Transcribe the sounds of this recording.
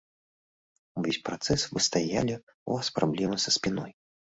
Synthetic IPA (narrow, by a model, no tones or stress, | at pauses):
vʲesʲpɾat̪sɛsvɨst̪aja̰lʲi | uvaspɾablʲɛmɨsɐsʲpʲinɔj